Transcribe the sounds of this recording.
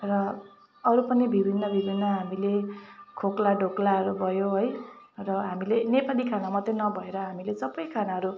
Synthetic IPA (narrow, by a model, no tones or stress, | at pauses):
rʌ | ʌɾupʌnibʱibʱinːʌbʱibʱinːʌɦamilekʰoklaɖʱoklaʌɾubʱʌjoɦoj | rʌɦamilenepalikʰanamʌt̪enʌbʱʌeɾʌɦamilesʌbʌjkʰanaɦʌɾu